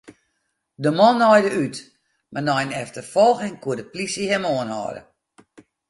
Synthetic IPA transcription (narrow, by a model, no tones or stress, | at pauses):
dəmɔnːɔjdəyt | marnɔjnɛftərfɔlˠxɪŋkuədəplisihɛmoənhɔ̰də̰